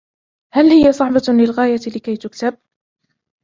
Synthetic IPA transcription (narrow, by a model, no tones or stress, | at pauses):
halhɪjasˤɑħbalɪlɣaːjalɪkajt̪ʊkt̪ab̚